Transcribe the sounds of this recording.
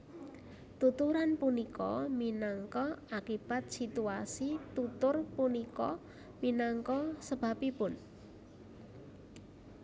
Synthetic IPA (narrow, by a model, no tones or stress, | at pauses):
t̪ut̪uɾanpunikɔ̰minaŋkɔakib̥at̪̚sit̪uasit̪ut̪ʊrpunikɔ̰ | minaŋkɔsəb̥a̤pipʊn